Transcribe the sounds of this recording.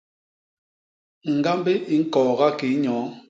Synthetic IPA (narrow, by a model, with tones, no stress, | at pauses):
ŋ̩˨ɡa˦mbe˦ʔi˨˦ŋ̩˦kɔː˨ɣa˦ki˨˦ɲɔː˨˦